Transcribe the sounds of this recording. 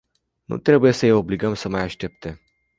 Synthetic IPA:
nṵt̪ɾe̞buje̞səjeo̞bliɡəmsəmajaʃt̪e̞p̚t̪e̞

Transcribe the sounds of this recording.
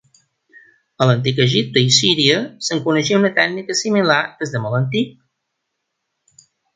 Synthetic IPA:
ələnt̪̬ikəʒip̚t̪əisiɾiəsəŋkunəʃiunət̪ɛɡnikəsimilaɾd̪əzðəmɔlənt̪ik̚

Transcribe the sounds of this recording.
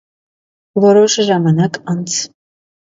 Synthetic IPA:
vɔɾɔʃʒɑmɑnɑkɑnt͡sʰ

